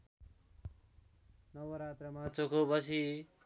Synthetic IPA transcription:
nʌʋoɾat̪ɾʌmat͡sokobʌsi

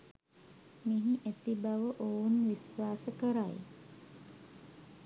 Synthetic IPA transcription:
miɦiʔet̪ibaʋəʔounʋisʋaːsəkəɾaj

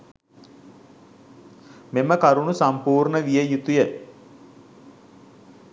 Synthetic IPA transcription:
meməkaɾunusampuːɾɳəʋijəjut̪ujə

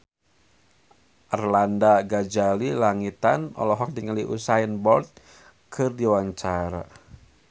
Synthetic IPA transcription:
ʔərlandaɡad͡ʒalilaŋit̪anɔ̰lɔɦɔk̚diŋəliʔṵsajənbɔrt̪̚ | kʰɨrdiwaɲt͡ʃaɾa̰

